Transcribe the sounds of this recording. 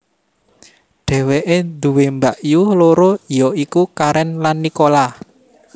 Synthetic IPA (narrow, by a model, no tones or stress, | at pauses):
ɖ̪̥ɛ̤weʔend̪uwembaʔjuhloɾojɔikukaɾɛnlanːikola